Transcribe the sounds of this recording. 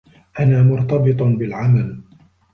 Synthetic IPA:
ʔanaːmʊɾt̪ɑbɨt̪ˤbɪlʕamal

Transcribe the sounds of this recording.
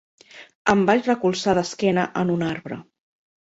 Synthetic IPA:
əmbaʎrəkulˠsaðəskɛnəʔənunaɾβɾə̰

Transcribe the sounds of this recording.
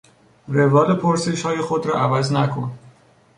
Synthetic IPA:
ɾevɒːlepʰoɾse̞ʃhɒːjexod̪ɾɒːʔævæznækʰon

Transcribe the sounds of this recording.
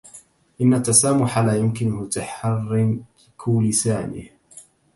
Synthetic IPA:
ʔɪnːat̪ːasaːmʊħalaːjʊmkɪnmʊt̪aħɑrːɪm | kʰʊlɪsaːnɪ̰h

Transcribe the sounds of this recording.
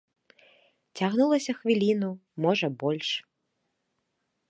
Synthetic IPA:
t͡sʲaɣnulˠɐsʲɐxvʲilʲinumɔʐɐbɔlʲʂ

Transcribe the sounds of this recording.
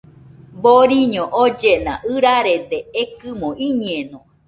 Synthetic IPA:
boɾiɲõʔod͡ʒenã̰ʔɨɾaɾed̪eekɨmõiɲẽnõ

